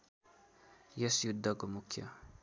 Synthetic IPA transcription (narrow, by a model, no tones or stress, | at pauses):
jʌsjud̪ːʌkomukʰjʌ̰